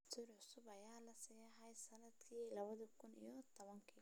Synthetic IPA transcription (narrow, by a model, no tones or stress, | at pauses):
sʰuːrʕʊsʊbɐjaːlɐsijɐɦɐjsɐnɐd̪kʰiːlɐβɐðɐkʰʊnḭjɔt̪ʰɔβɐŋkʰi